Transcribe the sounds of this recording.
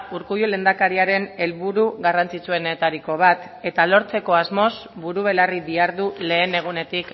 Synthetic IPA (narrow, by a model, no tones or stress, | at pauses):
uɾkujule̞ːnd̪akaɾiaɾe̞ne̞lβuɾuɣarant͡sit͡sue̞ne̞t̪aɾiko̞β̞at̪ | e̞t̪alo̞ɾt͡se̞ko̞azmo̞zbuɾuβ̞e̞lariðiaɾðule̞ːne̞ɣ̞une̞t̪ik